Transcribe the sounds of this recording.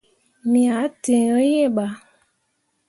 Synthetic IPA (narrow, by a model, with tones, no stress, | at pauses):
mĩ˨a˨˦tẽ˨ɔ˦je˦˨ɡ͡ba˨˦